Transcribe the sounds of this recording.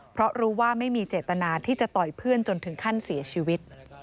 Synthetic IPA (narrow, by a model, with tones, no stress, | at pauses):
pʰɾɔ˦˥ɾuː˦˥waː˥˩ma˥˩jmiː˧t͡ɕeː˨˩t̪ːa˧naː˧t̪ʰiː˥˩t͡ɕa˨˩t̪ɔ˨˩jpʰɯ˥˩ənt͡ɕo˧nt̪ʰɯ˨˩˦ŋkʰa˥˩nsi˨˩˦ɐt͡ɕʰiː˧wi˦˥t̪̚